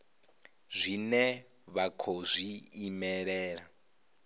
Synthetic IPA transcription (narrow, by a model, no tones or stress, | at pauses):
zʷinɛβakʰɔzʷiːmɛɺɛːɺa